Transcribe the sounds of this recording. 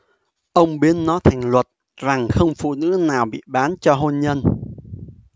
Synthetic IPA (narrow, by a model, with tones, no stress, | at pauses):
ʔə˧wŋ͡mɓi˨˦ənːɔ˨˦jt̪ʰa˨˩jŋ̟lwə˨˩t̚ | za˨˩ŋxə˧wŋ͡mfṵ˧˨nɨ̰˧˥naː˨˩wɓḭ˧˨ɓaː˨˦nt͡ɕɔ˧ɦo˧nɲə˧n